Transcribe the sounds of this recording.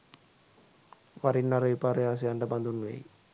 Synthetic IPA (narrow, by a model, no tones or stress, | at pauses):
ʋaɾinːaɾɐʋipaɾɐjaːs̬ejaɳɖɐband̪unːuʋḛj